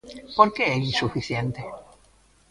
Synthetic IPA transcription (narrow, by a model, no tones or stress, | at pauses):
poɾkeeʎisufiθjent̪e